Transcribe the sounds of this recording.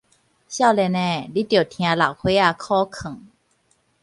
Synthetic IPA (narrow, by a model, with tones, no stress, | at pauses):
ɕa˥˧˨lɛ˧nɛː˧˩˨di˦˥t̪i˨˩˨t̪ʰĩ˧a˧la̰˨˩wkʰo˧˦a˧kʰɔː˥˨kʰɯ˨˩˦ŋ